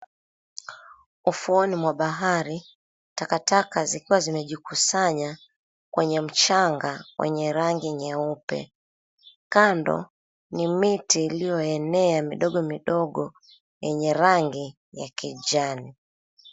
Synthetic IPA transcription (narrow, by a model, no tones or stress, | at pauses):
ufuɔnimwaɓaɦaɾi | takatakazikiwazimɛʄikusaɲa | kwɛɲɛm̩t͡ʃaŋɡawʔɛ̰ɲɛɾaŋɡiɲɛupɛ̰ | kandɔ̰ | nimitiːlijɔɛnɛamiɗɔɡɔmiɗɔɠɔ | jɛɲɛɾaŋɡi | jakid͡ʒani